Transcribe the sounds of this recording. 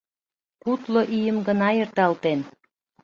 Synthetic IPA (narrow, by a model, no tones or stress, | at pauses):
kut̪loʔijəmɡənɑjert̪ɑlt̪en